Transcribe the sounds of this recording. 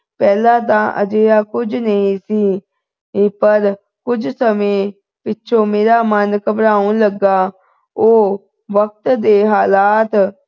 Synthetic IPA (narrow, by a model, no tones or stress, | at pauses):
pɛːlãːt̪̬ãːʔə̰d͡ʒeːaːkʊd͡ʒnəĩːsiː | pəɾ | kʊd͡ʒsəmẽː | pɪtːʃʰõːmeːɾaːmənkəpɾaːũːləɡaː | oː | ʋək̚t̪d̪eːɦaːlaːt̪